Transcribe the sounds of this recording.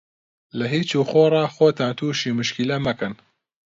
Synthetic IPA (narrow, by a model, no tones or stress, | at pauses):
lɐɦiːt͡ʃuːxoːrˤɑːxoːt̪ʰaːnt̪ʰuːʃiːmɨʃkilɐmɐkɨn